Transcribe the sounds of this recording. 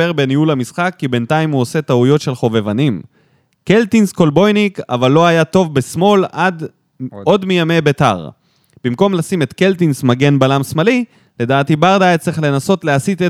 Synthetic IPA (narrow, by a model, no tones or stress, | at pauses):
eʁbeniulamisχakːibe̞nt̪aimuose̞t̪aujo̞tʃe̞lχo̞ve̞vanim | kelt̪insko̞lbo̞jnika̰valːo̞ajat̪o̞vbe̞smo̞lad̪ | o̞dmijame̞be̞t̪a̰ʁ | b̥imko̞mlasimet̪ke̞ltinsmaɡe̞nbalamsmali | le̞d̪aːtibaʁd̪aet͡siχle̞naso̞t̪leasit̪e